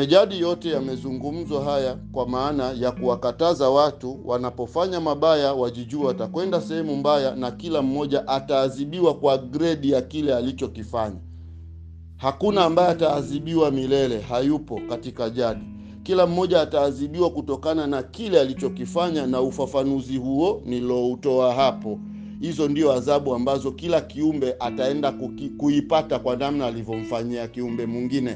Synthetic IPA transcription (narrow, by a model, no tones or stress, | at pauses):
ɛʄaɗijɔtɛjamɛzuŋɡum̩zɔɦajakwamaːnajakuwakatazawatuwʔanapɔfaɲamaɓajawaʄiʄuatakwɛndasɛhɛmum̩bajanakilam̩mɔʄaʔataːziɓiwakwaɡɾɛɗijakilɛalit͡ʃɔkifaɲa̰ | hakunaːmbajɔataːziɓiwamilɛlɛɦajupɔkatikaʄaɗi | kilam̩ːɔʄaːtaːziɓiwakutɔkananakilɛalit͡ʃɔkifaɲanaufafanuzihuɔnilɔutɔaɦapɔ | hizɔndiɔazaɓuambazɔkilakiumbɛʔataɛndakuipatakwanamnaːlivjɔm̩faɲiakiumbɛmwiŋɡinɛ